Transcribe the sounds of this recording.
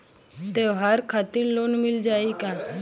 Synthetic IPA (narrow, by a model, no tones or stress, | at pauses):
t̪eɦaːɾkʰaːt̪iɾloːnmɪld͡ʒaːiːkãː